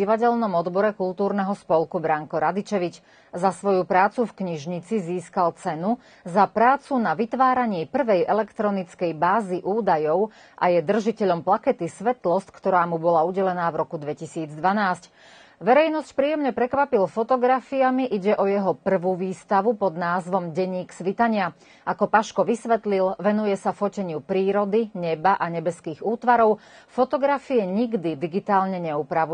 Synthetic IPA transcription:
iʋaɟɛʎnɔmɔd̪bɔɾɛkulˠt̪uːɾnɛɦɔspɔlkubɾaŋkɔɾad̪it͡ʃɛʋit͡ʃ | zasʋɔjupɾaːt͡sufkɲiʒɲit͡siziːskalt͡sɛnu | zapɾaːt͡sunaʋit̪ʋaːɾaɲɪɛpr̩ʋɛjʔɛlɛkt̪ɾɔnit͡skɛjbaːziʔuːd̪ajɔʊ | ʔa̰jɛd̪r̩ʒicɛʎɔmplakɛt̪isʋɛt̪lɔst̪kt̪ɔɾaːmubɔlauɟɛlɛnaːvɾɔkud̪ʋɛcisiːd͡zd̪ʋanaːsc | ʋɛɾɛjnɔscpɾiːɛmɲɛpɾɛkʋapilfɔt̪ɔɡɾafiamiʔiɟɛʔɔjɛɦɔpr̩ʋuʋiːst̪aʋupɔd̪naːzʋɔmɟɛɲːiːksʋit̪aɲɪa | ʔakɔpaʃkɔʋisʋɛt̪lilʋɛnujɛsafɔcɛɲɪupɾiːɾɔd̪iɲɛbaʔaɲɛbɛskiːɣuːt̪ʋaɾɔʊ | fɔt̪ɔɡɾafiɛɲiɡd̪id̪iɡit̪aːlɲɛɲɛupɾaʋu

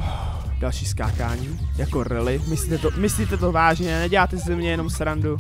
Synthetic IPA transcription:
d̥alʃiːskaːkaːɲiːjakoɾɪlɪmɪsliːt̪ɛt̪omɪsliːt̪ɛt̪o̞vaːʒɲɛnɛɟɛlaːt̪ɛzzɛmɲɛjɛno̞msɾandu

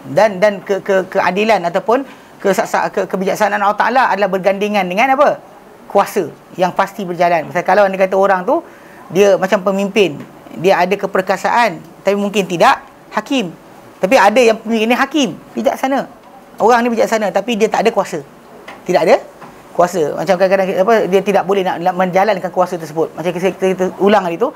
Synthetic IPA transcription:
dandankəkəkəʔa̰dilanat̪awpʊn | kəsaʔsa̰kəkəbid͡ʒaksananalaht̪a̰ʔa̰laa̰dalahbərɡandiŋandəŋãnapə | kuasə | jaŋpast̪ibərd͡ʒalanbasakalawandəkat̪̬əoɾaŋt̪u | diəmat͡ʃampəmimpɪn | diəadəkəpərkasa̰ʔan | t̪apimuŋkɪnt̪idaʔ | hakɪm | t̪ap̬iadəjaŋpəmĩmpɪniɦakɪmbid͡ʒa̰ʔsana | oɾaŋnibid͡ʒaʔsanãt̪apidiət̪aʔadəkuasə | t̪idaʔadə | kuasəmʔa̰t͡ʃamkadaŋkadaŋkapədiət̪idaʔ̚bolɛhnaʔamə̃nd͡ʒalankankuasət̪ərsəbʊt̪̚mat͡ʃakiskt̪əulaŋdit̪u

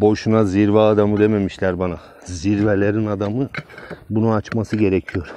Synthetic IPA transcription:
bo̞ʃunaziɾvaːd̪amɯd̪e̞me̞miʃlʲæɾbana | ziɾvelʲeɾinad̪amɯbununat͡ʃmasɯɟe̞ɾecʰijo̞ɾ̥

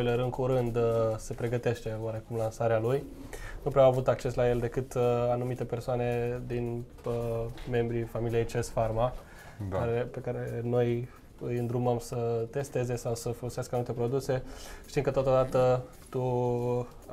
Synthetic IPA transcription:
eleɾɨŋkuɾɨnd̪se̞pɾe̞ɡət̪e̞ʃt̪e̞oaɾe̞kumlansaɾealuj | nupɾeoawavut̪ak̚t͡ʃe̞slaje̞ld̪e̞kɨt̪anumit̪e̞persoane̞d̪in | me̞mbɾifamilijejt͡ʃesfarma | aɾepe̞kaɾe̞no̞j | ɨjɨnd̪ɾuməmsət̪e̞st̪e̞ze̞sawsəfo̞lo̞seaskəanumit̪epɾo̞d̪use̞ʃt̪imkət̪ot̪od̪at̪ə | t̪u

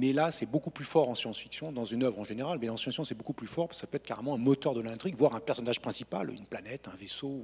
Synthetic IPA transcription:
mɛlasɛbokuplyfɔʁɑ̃sjɑ̃sfiksjɔ̃d̪ɑ̃zynœvʁɑ̃ʒeneʁalmɛɑ̃sjɑ̃sfjɔ̃sɛbokuplyfɔʁpaskə̥sapøɛt̪χka̰ʁemɑ̃ɛ̃mɔt̪œʁd̪əlɛ̃t̪χiɡvwaʁɛ̃pɛʁsɔnaʒpχɛ̃sipa̰ly̰nplanɛt̪ɛ̃veso

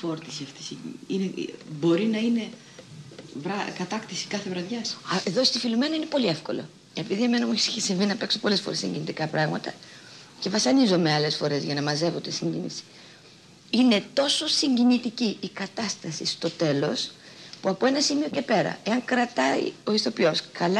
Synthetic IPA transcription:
foɾt̪isiɐft̪i̥siinebo̞ɾinɐine̞ | vɾɐkɐt̪ɐkt̪isi̥kɐθevɾɐðʝɐseðo̞st̪ifilume̞nɐine̞po̞lie̞fko̞̰lo̞̰ | e̞piðieme̞nɐmueçe̥siçesiɱvinɐpe̞kso̞po̞le̞sfo̞ɾe̞siɲɟinit̪ikɐpɾɐɣmɐt̪ɐ | ce̞vɐsɐnizo̞me̞ɐle̞sfo̞ɾe̞zʝɐnɐmɐze̞vot̪esiɲɟinḭsi̥ | ine̞t̪o̞so̞siɲɟinit̪iciːkɐt̪ɐst̪ɐsist̪o̞t̪e̞lo̞s | puɐpo̞e̞nɐsimio̞ce̞pe̞ɾɐ̰e̞ɐŋkɾɐt̪ɐḭo̞isθo̞pio̞skɐlɐ

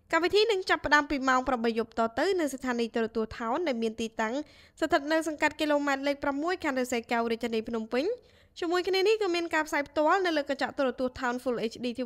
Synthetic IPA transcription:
kamʋit̪ʰiːnɨŋt͡ɕapːə̆ɗaəmpiːmaɔŋpramɓəjːup̚t̪ɑːt̪ɨwnɨŋsat̪ʰaːniːt̪olət̪uəht̪ʰaɔnɗaɛlmiənt̪iːt̪aŋ | sat̪ʰət̪̚nɨwsɑŋkat̪̚kiːloːmaɛt̪̚leːk̚pramːuəjkʰaːnrɨseːkawriəc̚t̪ʰəniːpʰnumpɨɲ | t͡ɕiəmuəjkʰniənihkɑːmiənkaːpʰsaːjpʰt̪ŏəlnɨwləːkat͡ɕaʔt̪olt̪uəht̪ʰaɔnfulʔeːt͡ɕʰɗiːt̪ʰi

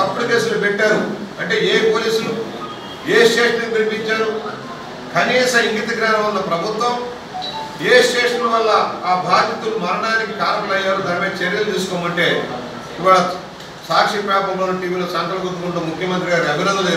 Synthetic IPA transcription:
ɐpːuɽikeːsulupɛʈːaːɾuɐɳʈe̞ːeːpoːliːsulu | eːʃeːʂnɐnupinipiɲt͡ʃaːɾu | kɐniːsɐiŋɡit̪ɐɡɾaːnɐʋɐnːɐpɾɐbʱut̪ʋɐm | eːʃeːʂɾɐʋɐlːɐaːbʱaːd̪ɐt̪ulumɐɾɐɳaːnikiʈaːɾbɐlɐjːaːɾuːd̪ʱɐːɾmeːt͡ʃɐɾjɐlut̪iːsu̥koːmɐɳʈe̞ː | iʋaːɭɐ | saːkʂipɾaːpɐmloːnɐʈiːʋiːlo̞ːt͡ʃɐŋkɐlɐɡuʈːukuɳʈuːmukʰjɐmɐnt̪ɾiɡaːɾiɐbʱinɐŋd̪ɐe

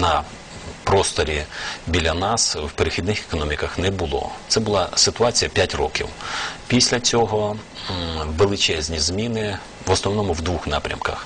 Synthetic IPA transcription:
nɐ | pɾɔst̪ɔɾʲibʲilʲːɐnɑswpeɾɪxʲid̪nɪxe̥kɔnɔmʲikɐxnɛbʊlˠɔ̰t̪sɛbʊlˠɑsɪt̪ʊɑt͡sʲijɐpʲjatʲrɔ̰kʲḭwpʲisʲlʲɐt͡sʲɔɦɔ | ʋelˠɪt͡ʃɛzʲnʲizmʲinɪ | ʋɔsnɔwnɔmʊwd̪ʋuxnɑ̰pɾʲɐ̰mkɐx

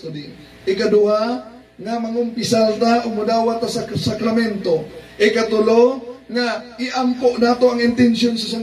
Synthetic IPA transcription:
od̪i | ʔɪkad̪ʊa | ŋamɐŋʊmpɪsalt̪aʔoɡ̚mʊd̪aːwat̪ːasasakɾamɛnt̪oʔɪkat̪ʊloŋaʔɪʔampoʔnaːt̪oɐŋɪnt̪ɛnsjonsɐsaŋ

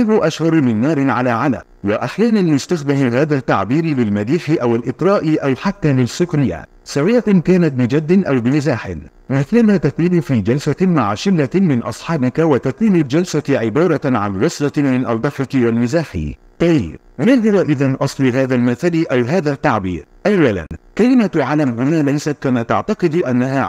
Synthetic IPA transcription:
ɪɾʊʔaʃhɑɾˤmɪnːɑːɾɪʕalaːʕala̰mwaʔaħjaːnanmʊst̪axbɪhahaːðat̪ːaʕbiːɾɪlɪlmaliːħɪʔawɪlʔɪt̪ˤɾɑːʔɪʔawħat̪ːaːlɪsʊknɪjːa̰ | sawɪjːakaːnat̪̚bɪd͡ʒad̪ːɪʔawbɪmɪzaːħɪ̰n | mɪθlanaːt̪ak̪iːbfiːd͡ʒalsamaʕaʃɪlːamɪnʔɑ̰sˤħɑːbɪkawat̪ak̪iːmɪld͡ʒalsaʕɪbɑːɾˤɑʕanɾˤɑslamɪnʔa̰ld̪ˤɑħɑkwalmɪzaːħḭ | t̪aj | naðɑɾaʔɪðanʔɑsˤlɪɦaːðalmaθalʔawɦaːðat̪ːaʕbḭːɾʔalɾala̰nkalɪmat̪ʕalamhʊnaːlajsat̪̚kamat̪aʕt̪ɑqɨd̪ʔanːaɦaː

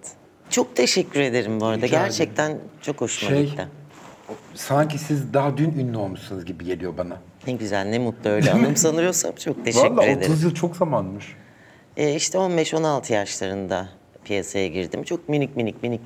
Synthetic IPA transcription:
t͡ʃʰo̞k̚t̪ʰe̞ʃɛcʲːyɾe̞d̪e̞ɾimboɾad̪aɟæɾt͡ʃʰɛc̚t̪ʰænt͡ʃʰo̞khoʃʃmaejt̪a | saɲcʰisizd̪aɦad̪ynynːo̞lˠmuʃsunɯzɟibiɟe̞lʲijo̞bana | nɛɟyzæ̰lʲnɛmut̪lˠuø̞jlʲɛanɯmsanɯɾɯjo̞ɾsa̰mt͡ʃʰo̞k̚t̪ʰe̞vaɛclˠːayɾoed̪euzjɯlˠt͡ʃʰo̞kzamanmɯʃ | ɛːiʃt̪ʰɛo̞nbɛʃo̞nalˠt̪ʰɯjaʃlˠaɾɯnd̪a | pʰijasajaɟiɾd̪imt͡ʃʰo̞k̚minicminicminic

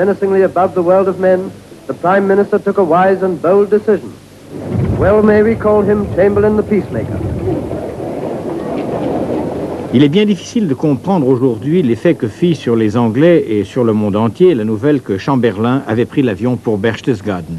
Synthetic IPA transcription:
mɛnɨsɪ̃ŋliɨbʌvðəwɜ˞lˠdʌvmɛ̃n | ðəpʰɹ̥ãɪ̃mːɪ̃ñɨstə˞tʰʊkəwaɪzə̃nboʊlˠdɨsɪʒ̃n̩ | wɛlˠmeɪɹikʰɔlˠd̚ɪ̃mt͡ʃʰẽɪ̃mbəl̩ˠɪ̃nðəpismeɪkə̰˞ | ilɛbjɛ̃d̪ifi̥sild̪əkɔ̃pχɑ̃d̪ʁoʒuʁd̪ɥilefɛkəfisyʁlezɑ̃ɡlɛesyʁləmɔ̃d̪ɑ̃t̪jelanuvɛlkəʃɑ̃bɛʁlɛ̃a̰vɛpχilavjɔ̃puʁbɛʁʃt̪əsɡad̪n̩

